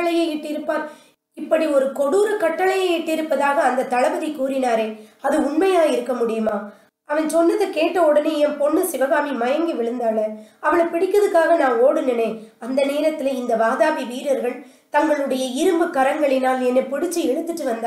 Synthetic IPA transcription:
ɐɭɐjɐɛʈːɪɾɯpːaːɾ | ɪpːɐɽiɔɾɯkɔɽuːɾɐkɐʈːɐɭɐjɐɛʈːɪɾɯpːɐðaːɣɐːnd̪ɐt̪ːɐɭɐʋɐðiɪkuːɾɪnaːɾeːɐðɯʊɳmɐjaːɪɾɯkːɐmʊɽɪjɯmaː | ɐʋɐnsɔnːɐðɯkeːʈːɐɔɽɐneːjɛnpɔɳːɯsɪʋɐɣaːmimɐjɐŋɡiʋɪɭɯnd̪aːlɐɐʋɐɭɐpɪɽɪkːɐðɯkːaːɣɐnaːŋoːɽɯnɐneːɐnd̪ɐneːɾɐt̪ːɪlɐɪnd̪ɐʋaːðaːʋiʋiːɾɐɾɣɐɭ | t̪ɐŋɡɐɭɯɽɐjɐɪɾɯmbɯkːɐɾɐŋɡɐɭɪnaːlɛnːepɪɽɪt͡ʃːiɛɻɯt̪ːɯʈːɯʋɐnd̪a

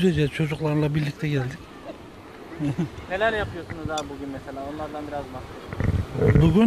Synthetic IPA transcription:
zed͡ʒɛt͡ʃʰo̞d͡ʒuklˠaɾɯnlˠabiɾlʲic̚t̪ʰɛɟɛlʲd̪ic | hne̞lʲæɾjapʰɯjosunuzaɾbuɟynmeselʲaːonlˠaɾd̪anbiɾazmaaʃbuɡʲyn

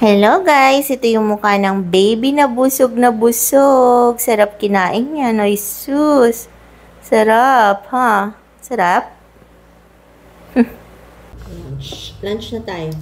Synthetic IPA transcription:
hɛlo̞ɡajsʔɛt̪ojʊŋmʊkanɐŋbejbinɐbʊsoɡ̚nɐbʊsoɡ̚sɐɾap̚kɪnaːʔɪŋɲɐɐnojsusː | ɐɾap̚ha | sɐɾap̚ | h̩ | plant͡ʃplant͡ʃnɐt̪aːjo

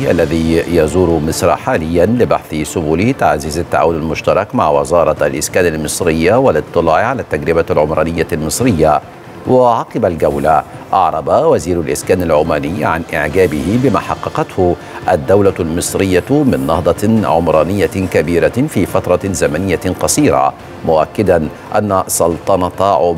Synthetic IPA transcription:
ʔa̰lːaðiːjɑzuːɾmɪsɾˤɑ̰ħaːlɪjːanlɪbaħθɪsʊbuːlɪt̪aʕzːɪzat̪ːaʕa̰ːwʊnalmʊʃt̪ɑɾˤɑkmaʕwɪ̰zɑːɾˤɑʔa̰lʔɪskæːnalmɨsˤɾɪjːawɪlɨt̪ˤːɨlɑːʕʕalaːt̪ːaɡɾɪbalʕʊmɾˤɑːnɪjːalmɨsˤɾɪjːa | wɪʕɑqɨbalɡawla | ʔɑʕɾˤɑbawaziːɾʊlʔɪskaːnalʕʊːmaːnɪjːʕa̰nʔɪʕɡaːbɪhɪbɪma̰ːħɑqːɑqɑt̪hʊ | ʔad̪ːawlalmɨsˤɾɪjːamɪnːɑ̰hd̪ˤɑʕʊmɾˤɑːnɪjːakabiːɾafiːfat̪ɾˤɑzamanɪjːaqɑsˤiːɾa̰ | mʊʔakːɪd̪an | ʔanːasˤʊlt̪ˤɑnɑt̪ɑʕʊ

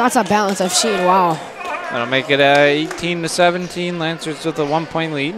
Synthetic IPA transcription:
ðætsəbælˠə̃nsʌv̥ʃinwaʊl̰ˠ | õmeɪkɨɾʌeɪtʰĩnɨsɛvɨ̃ntʰĩnlæ̃nsə˞ɨsʌtəwʌ̃npʰɔ̃ɪ̃nðii

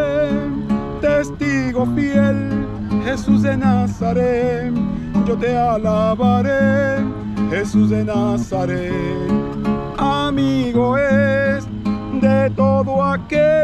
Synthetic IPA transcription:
t̪est̪iɣo̞fjel | he̞sus̬d̪e̞nasaɾe | d͡ʒot̪e̞alaβaɾe | xesus̬ðenasaɾe | amiɣoes | d̪et̪oðoake

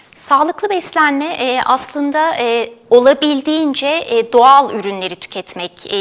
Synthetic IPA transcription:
saːlˠɯklˠɯbɛslʲænmɛʔʔaslˠɯnd̪ao̞lˠabilʲd̪iːnd͡ʒɛd̪o̞alˠyɾynlʲe̞ɾit̪ʰy̥cʰɛt̪mɛc

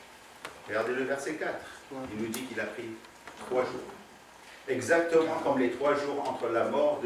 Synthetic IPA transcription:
ʁəɡaʁd̪eləvɛʁsɛkat̪χilnud̪ikilapχi | t̪χwaʒuːʁ | ɛɡzak̚t̪əmɑ̃kɔmlet̪χwaʒuʁɑ̃t̪χəlamɔʁd̪

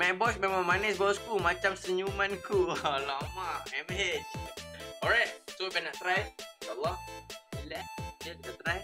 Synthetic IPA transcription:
mɛ̃bɔsmẽmãŋmanɛsbawaskulmat͡ʃamsəɲumãnkulamaɛmɦet͡ʃɔɹajt̚soibɛnaʔt̪ɾajaʃalːɔhilɛdakit̪at̪ɾaj

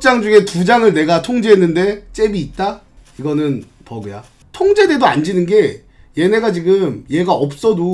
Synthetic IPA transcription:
t͡ɕ͈aŋd͡ʑuŋe̞tud͡ʑaŋɯɭne̞ɡatʰoŋd͡ʑeɦenːɯnde̞t͡ɕ͈e̞biːt̚t͈a | iɡʌnɯn | pʌɡɯja | tʰoŋd͡ʑede̞doa̰nd͡ʑinɯnɡe̞ | je̞ne̞ɡat͡ɕiɡɯmje̞ɡaʌp̚s͈ʌdo

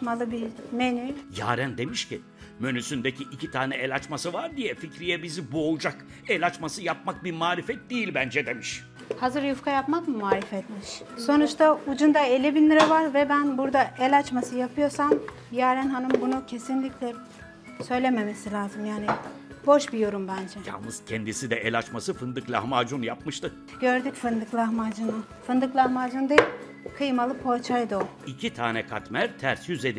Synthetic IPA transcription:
malˠɯbiɾmenyja̰ːɾænd̪e̞miʃci | mønysynbecʰiʔicit̪ʰaːnɛɛlʲat͡ʃmasɯvaɾd̪ijɛficɾijɛbizibuolˠud͡ʒak | ɛlʲat͡ʃmasɯjapmak̚biɾmaːɾifɛt̪̚d̪ijilʲbænd͡ʒɛd̪e̞miʃ | hazɯɾjufkʰajapmakmumaːɾifɛt̪miʃso̞nut͡ʃt̪ʰaud͡ʒund̪aelʲibinːiɾɛvaɾvɛbænbuɾd̪aʔɛlʲat͡ʃmasɯjapʰɯjo̞ɾsam | jaæɾænɦanɯmbunucʰe̞sinlʲiclʲɛ | sø̞jlʲeme̞me̞silʲaːzɯmjaːni | bo̞ʃbijo̞ɾumbænd͡ʒɛja̰nˠɯz̥cʰɛnd̪isid̪ɛɛlʲat͡ʃmasɯfɯnd̪ɯklʲˠa̰hmaːd͡ʒunjapmɯʃt̪ɯk | ɟø̞ɾd̪ycfɯnd̪ɯklˠahmad͡ʒɯnu | fɯnd̪ɯklˠahmaːd͡ʒund̪eilʲ | kʰɯjmalˠɯpʰo̞t͡ʃʰajd̪ɯo | icʰit̪ʰaːnɛkʰat̪mæɾt̪ʰæɾsjyzed̪i

